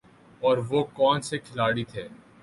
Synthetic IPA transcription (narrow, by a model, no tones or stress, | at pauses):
ɔːɾʋokɔːnsekʰɪlaːɽit̪ʰeː